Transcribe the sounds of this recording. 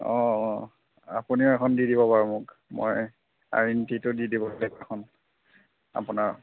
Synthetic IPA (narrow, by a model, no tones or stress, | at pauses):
ɔ̃ | a̰puniʊɛkʰɔndidibɔpaɹumʊk | mo̰j | a̰ɹintitʊdidibɔllekɛxʰɔn | a̰punaɹ